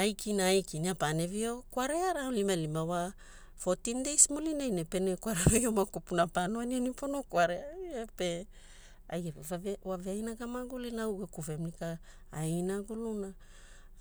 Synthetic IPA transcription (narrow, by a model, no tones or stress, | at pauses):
ajkʰinaːjkiniapane̞vio̞kwaɾeaɾaolimalimawa | fotindejsmulinajnepenekwaɾeɾajomakupunapanoanianiponokwaɾeaepe | a̰jeawaveajnaɡamaɡulinauɡekuvemnikaː | jnaɡuluna